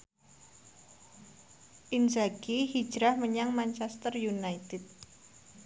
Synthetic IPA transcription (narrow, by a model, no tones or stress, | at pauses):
ʔind͡ʒaɡihi̥d͡ʒɾahməɲaŋmant͡ʃɛst̪ərjunait̪ɪt̪̚